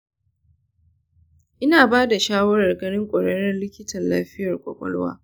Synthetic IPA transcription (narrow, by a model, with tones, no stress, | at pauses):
ʔɪ˦naː˨baː˦da˨ʃaː˦wɐ˦ɾɐ˨rɡɐ˦ɽɪ˦ŋkʷʼɔ˨ɽɐ˦ɽɛ˦nlɪ˦kʲɪ˦tɐ˨nla̰ː˦ɸɪ˦jɐ˨rkʷʼɔ̰˨kʷʼɔ̰˦lwa̰ː˦